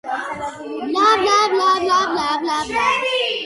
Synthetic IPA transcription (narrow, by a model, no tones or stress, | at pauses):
blablablablablablabla